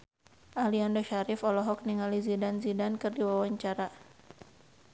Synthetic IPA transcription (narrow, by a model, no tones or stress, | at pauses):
ʔaliandoʃaɾifɔlɔɦɔk̚niŋalizidanzidankɨrdiwawaɲt͡ʃaɾa